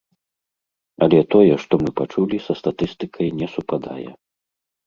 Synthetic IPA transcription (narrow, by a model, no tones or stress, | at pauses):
ɐlʲɛt̪ɔjɛʂt̪ɔmɨpat͡ʂulʲisɐst̪at̪ɨst̪ɨkʰɐjnʲɛsupad̪a̰jɛ̰